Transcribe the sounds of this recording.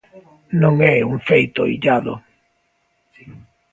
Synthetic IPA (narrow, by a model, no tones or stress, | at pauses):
noŋɛuɱfejt̪o̰ḭɟaːðo̰